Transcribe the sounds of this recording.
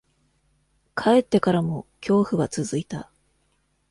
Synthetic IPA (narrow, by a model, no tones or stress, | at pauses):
kʰae̞t̪ːe̞kaɾamo̞kʲo̞ːɸɯ̟ɡat͡sɨzɨit̪a